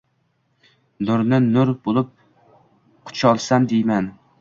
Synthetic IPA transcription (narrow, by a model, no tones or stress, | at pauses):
nʊɾnɪnʊɾbolˠɪp̚ | qʰʊ̥t͡ʃʰɒlˠsamd̪ejman